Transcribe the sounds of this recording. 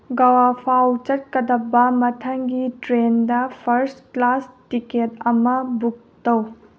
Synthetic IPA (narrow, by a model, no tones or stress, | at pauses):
ɡɐwapʰawt͡ʃɐt̚kɐdɐbɐmɐtʰɐŋɡitɾendɐpʰɐɾsklastiketɐmɐbuk̚tɐw